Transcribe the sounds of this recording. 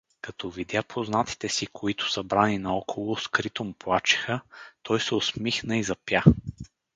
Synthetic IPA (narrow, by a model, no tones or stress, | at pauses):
kɐt̪ɔvid̪ʲjapʰoznat̪i̥t̪ɛsikʰoit̪ʊ̥sɐbɾaninɐɔkʰolˠoskɾit̪omʊplˠat͡ʃi̥xət̪ɔjsɛosmixnəizɐpja